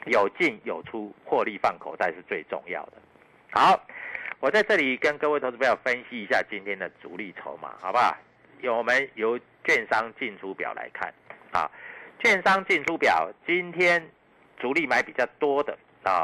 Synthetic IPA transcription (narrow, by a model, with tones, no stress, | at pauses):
jo˨˩ʊt͡ɕi˥˩njo˨˩ʊʈ͡ʂʰu˦xwɔ˥˧li˥˨fa˥˩nkʰo˨˩ʊt̪a˥˧ɪʂɻ̩˥˧t͡swe˥˧ɪʈ͡ʂɔ̰˥˧ŋjɑ̰˥˨ʊd̪ə˩ | ha˦ʊwɔ˨˩t͡sa˥˧ɪʈ͡ʂɤ˥˨li˨˩kə˦nkɤ˥˧we˥˩t̪ʰja˥˨˩ʊfə˦nɕi˧i˧˥ɕja̰˥˨t͡ɕi˦nt̪ʰjɛ˦˥nd̪ə˨t͡sṵ˧˦li˥˨˩t͡sʰo̰˧˦ʊma̰˨ha̰˨˩ʊba˦ | jo˨˩wɔ˨mə˦njo˧˦ʊ | t͡ɕɥɛ˥˨nʂɑ˦ŋt͡ɕi˥˨nt͡sʰu˦pja̰˨˩ʊlʔa̰˧˦ɪkʰa̰˥˩nhɑ̰˨˩ʊt͡ɕɥɛ˥˨nʂɑ˦ŋt͡ɕi˥˧nʈ͡ʂʰu˦pjɑ˨˩ʊt͡ɕi˦nt̪ʰjɛ˦˥n | t͡su˨˦li˥˩ma˧˦ɪpi˨˩t͡ɕjɑ˥˨˩ʊt̪wɔ˥˦d̪ə˨ | ɔ˨˩